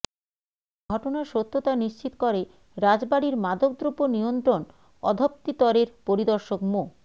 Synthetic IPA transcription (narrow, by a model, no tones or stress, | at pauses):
ɡʱɔʈonaɾʃot̪ːot̪aniʃt͡ɕit̪okoɾe | ɾad͡ʑbaɽiɾmad̪ʱok̚d̪ɾuponiont̪ɾon | ɔ̰d̪ʱop̚t̪it̪ɔɾeɾpoɾid̪ɔɾʃokmo